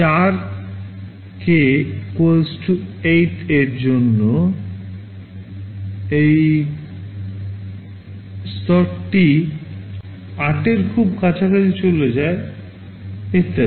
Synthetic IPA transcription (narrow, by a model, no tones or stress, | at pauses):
t͡ɕaɾ | kekosʈuejʈeɾd͡ʑonːo | ej | st̪ɔɾʈi | aʈeɾkʰubkat͡ɕʰakat͡ɕʰit͡ɕoled͡ʑae | et̪a